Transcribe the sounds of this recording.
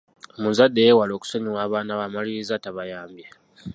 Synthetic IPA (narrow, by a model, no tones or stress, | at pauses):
munzadːe̞jeːwalo̞ːku̥soɲiwaːβaːnaβamaliizataβajaːmbja